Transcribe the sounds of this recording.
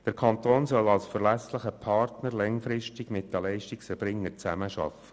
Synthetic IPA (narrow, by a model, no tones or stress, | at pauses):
d̥əɾkʰɑnt̪oːnsɔlɑlsfəɾlæsləχəpʰɑrtnəɾlɛŋfɾɪʃtɪɡmɪt̚d̥ælɛɪʃtɪksfəɾb̥ɾɪŋːəɾt͡sæməʃɑ̰fə̥